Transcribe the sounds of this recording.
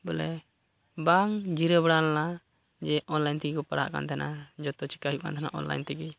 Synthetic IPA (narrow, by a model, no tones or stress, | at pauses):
bɔlɛ | baŋd͡ʒiɾəbɽalːa | d͡ʒɛʔɔnlajnt̪iɡikɔpaɽa̰ʔka̰nt̪ʰɛnʔad͡ʒɔt̪ɔt͡ʃi̥kaɦjuʔka̰nt̪ɛna̰ʔɔ̰nla̰jnt̪iɡi